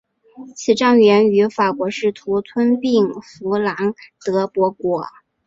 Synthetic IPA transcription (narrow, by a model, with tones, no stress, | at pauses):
t͡ɕʰi˨˩ʈ͡ʂɑ˥˩ŋɥɛ˧˥ny˧˥fa˨˩kwɔ˧˥ʂɻ̩˥˩t̪ʰu˧˥t̪ʰwə˥npi˥˩ŋfu˧˥la˧˥ŋt̪ɤ˧˥pwɔ˧˥kwɔ˧˥